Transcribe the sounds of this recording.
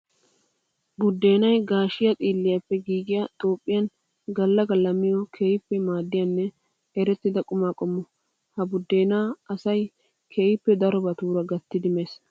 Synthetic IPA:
bʊd̪ːe̞ːnɐjɡaːʃɪjɐt̪ʼiːlːɪjɐpːɛɡiːɡɪjɐt̪ʼo̞ːpʼːɪjɐn | ɡɐlːɐɡɐlɐmɪjɔkʰeːjɪpːɛmaːd̪ːɪjanːɛ | ɛɾɛt̪ːɪd̪ɐkʼʊmaːkʼɔmːɔ | hɐbʊd̪ːe̞ːnaːɐsɐj | kʰeːjɪpːɛd̪ɐɾɔbɐt̪uːɾɐɡɐt̪ːɪd̪ɪmeːs

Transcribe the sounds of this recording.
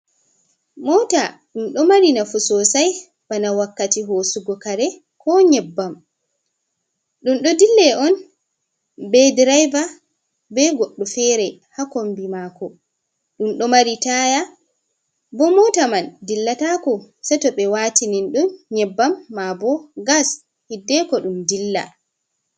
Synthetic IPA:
mɔta | ɗumɗɔmaɾinafusɔsaj | banawakːatiɦoːsuɡɔkaɾɛ | kɔɲɛbːam | ɗumɗɔdilːɛʔɔn | bɛdiɾajva | bɛɡɔɗːɔfɛɾɛhakombimaːkɔ | ɗumɗɔmaɾitaja | bɔmɔtamandilːatakɔ | sɛtɔɓɛwatininɗunɲɛbːamːabɔɡas | hidːɛkɔɗumdilːa̰

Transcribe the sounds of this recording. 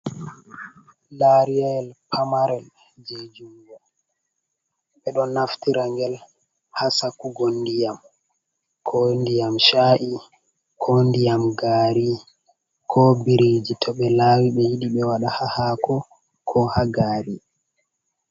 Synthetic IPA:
laɾiajɛlpʰamaɾɛl | d͡ʒed͡ʒuwa | ɓɛɗɔnːaftiɾaŋɡɛl | hasakuɡondijam | kʰɔndijamʃaʔi | kʰɔndijamɡaːɾi | kʰɔbiɾid͡ʒitʰɔɓɛlawiɓɛjiɗiɓɛwaɗahahakɔ | kʰɔhaɡaːɾi

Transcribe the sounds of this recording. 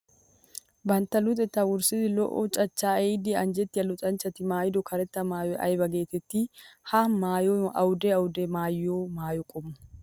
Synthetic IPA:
bɐnt̪ːɐlʊt̪ʼɛt̪ːɐwʊɾsɪzɪlɔ̰ʔɔt͡ʃʼɐt͡ʃːaːɛjd̪ɪɐnd͡ʒɛt̪ːɪɐlʊt͡ʃʼɐnt͡ʃːɐt̪ɪmaːjɪd̪ɔkʰɐɾɛt̪ːɐmaːjɔʔɐ̰jbɐɡe̞ːt̪ɛt̪ːihamaːjoʔɐwʊd̪eɐwʊd̪emaːjːoːmaːjɔkʼɔmːɐ

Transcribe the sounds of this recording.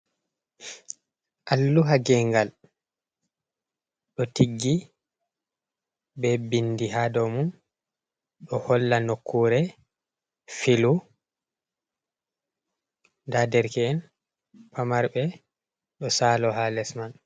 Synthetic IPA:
ʔalːuɦaɡɛŋɡal | ɗɔtiɡːi | bɛbindiɦadɔmun | ɗɔhɔlːanokʰːuɾɛ | filu | dadɛɾkɛːn | pʰamaɾbɛ | ɗɔsalɔɦalɛsman

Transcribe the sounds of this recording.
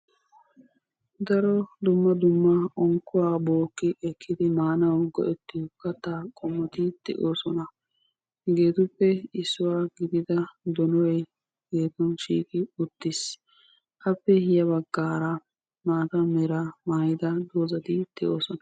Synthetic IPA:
d̪ɐɾɔd̪ʊmːɐd̪ʊmːɐɔŋkːʊwaːboːkːɪʔɛkʰːɪd̪ɪmaːnɐwɡɔ̰ʔɛt̪ːɪkːɐt̪ːaːkʼɔmːɔt̪ɪd̪̥ɛ̰ʔoːsɔnɐ | ɡe̞ːt̪ʊpːɛɪsːʊwaːɡɪd̪ɪd̪ɐd̪ɔnɔj | ɡe̞ːt̪ɔnʃḭːkʼɪʊt̪ːɪs | ʔɐpːɛhɪjɐbɐɡːaːɾɐ | maːt̪ɐmɛɾɐmaːjɪd̪ɐd̪oːzɐt̪ɪd̪̥ɛʔo̞ːsɔnɐ

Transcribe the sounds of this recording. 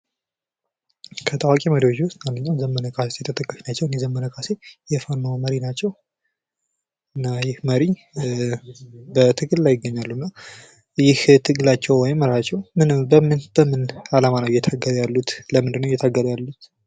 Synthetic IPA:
kʰət̪ʰʼawakʼiməɾiwod͡ʒwʊst̪manːɨɲːawzəmːənəkʼasjɛt̪ʰət̪ʰʼəkʼːəʃnat͡ʃːɛwɨnjɛzəmːənəkʰʼase̞jɛfanmaməɾinat͡ʃːɛw | ɨnːajɪhməɾi | bət̪ʰɨɡɨllajɪɡːəɲːalːunːaw | jɪht̪ʰɨɡlat͡ʃːɛwwɔjɪmːəɾat͡ʃːɛwmɨnɨbəmɨnb̥əmɨnalamanəwjɛt̪ʰaɡːəɾjalːut̪ləmɨnd̪ɨnːəwjɛt̪ʰaɡːəɾjalːut̪

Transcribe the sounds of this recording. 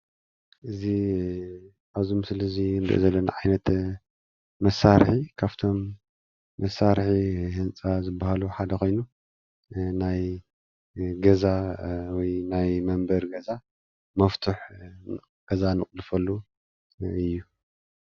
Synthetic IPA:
ʔɨzi | aβzumsɨlɐzind̪ɨ̰ʔḭzɐlːɐna̰ʕajnɐt̪ | mɐsːaɾħikʰaβt̪ʰo̞mː | ɐsːaɾħihɨnt͡sʼazɨbːahaluħad̪ɐkʰo̞jnu | naj | ɡɐzawɔjnajmɐmbɐɾɡɐza | mɐft̪ʰuħ | ɡ̥ɐzanɨχʼlɨfɐlːu | ɨjːu

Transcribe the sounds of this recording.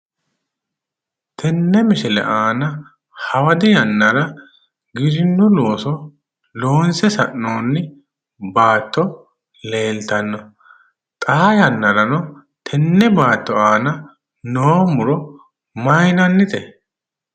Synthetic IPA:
t̪ʰɛnːɛmɪʃɛlɛ̰ʔaːnɐ | hɐwɐd̪ɪjɐnːɐɾɐ | ɡɪɾɪnːʊlo̞ːsɔ | loːnsɛsɐʔːo̞ːnːɪ | baːt̪ʰːɔ | le̞ːlt̪ɐnːɔ | t̪ʼɐɐjɐnːɐɾɐnɔ | t̪ʰɛnːɛbaːt̪ːɔaːnɐ | noːmʊɾɔ | mɐjnɐnːɪt̪ɛ

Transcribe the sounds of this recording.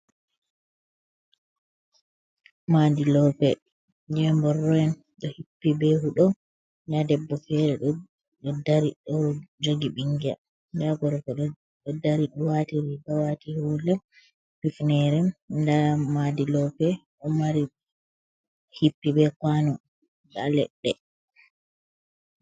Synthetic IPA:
madilɔpɛ | d͡ʒɛmbɔrɔjɛn | ɗɔhipːibɛhuɗɔ | ɲadɛbːɔfɛɾɛɗɔ | ɗɔdaɾiɗɔd͡ʒoɡiɓiŋɡia̰ | ndaɡɔɾɔpɛɗɔ | ɔdaɾiɗɔwatiɾiɡawatihulɛ | fifnɛɾɛmdamadilɔpɛ | ʔɔmaɾi | hipːibɛkwanɔ | da̰lɛ̰ɗːɛ

